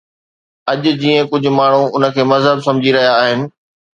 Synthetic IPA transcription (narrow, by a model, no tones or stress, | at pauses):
ɐʄʊd͡ʑiːə̃kʊd͡ʑʱʊ̆maːɳ̤ũʊnə̆kʰeːmɐzɦəbsɐ̃md͡ʑiɾɐɦijaːɦɪnɪ̆